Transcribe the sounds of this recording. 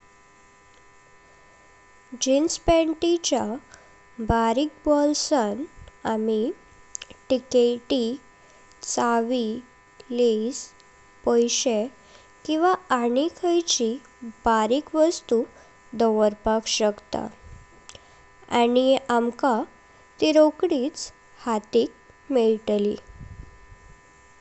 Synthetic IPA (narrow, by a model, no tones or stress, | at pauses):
d͡ʑinspɛɳʈit͡ɕa | baɾik̚bɔlsanami | ʈikeʈi | t͡saʋi | les | pɔjɕe | kĩw̃ʋaanikʰəjt͡ɕi | b̥aɾiːkʋəst̪u | d̪ɔʋəɾpakɕəkt̪a̰ | a̰niʔamka | t̪iɾokɽiːt͡s | hat̪iːk̚ | miɭʈlḭ